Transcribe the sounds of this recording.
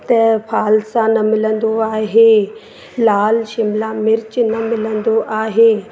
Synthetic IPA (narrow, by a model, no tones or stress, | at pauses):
t̪ɐpʰaːlsanɐmɪlə̃nd̪oaːɦeː | laːlʃɪmlamɪɾt͡ɕnɐmɪlə̃nd̪oʔaːɦeː